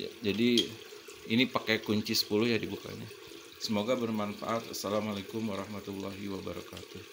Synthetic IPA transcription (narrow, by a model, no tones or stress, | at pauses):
ja̰d͡ʒadi | inipakekuɲt͡ʃisə̥pulʊhjadibuka̰ɲa | səmoɡabərmanfa̰ʔat̪a̰salamalakʊmwaɾɑhmat̪ulːaɦiwabaɾa̰kat̪ʊ